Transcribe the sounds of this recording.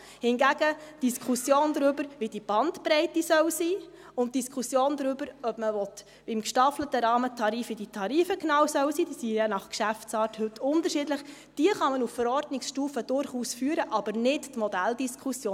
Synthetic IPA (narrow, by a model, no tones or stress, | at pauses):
hɪnɡæɡ̥əd̥iskʰχusjoːnd̪ɾʏbəɾʋid̥ib̥ɑntpɾɛɪtisœwsiː | ʊnt̚d̥iskʰusjoːnd̪ɾʏb̥əɾœbməʋɔt̪ | ʋiɪmkʃtɑflətəɾɑːmətʰɑɾiːfiditʰɑɾiːfəknɑwsœwsiːd̥isijɛnɑχkʃæft͡sɑːrthɵtʰːʊntəɾʃidləχ | d̥iəχɑmənuffəɾɔɾdnɪksʃtuːfəd̥ʊɾχuːsfyːəɾəʔɑb̥əɾnɪttmɔdæld̥iskʰusjoː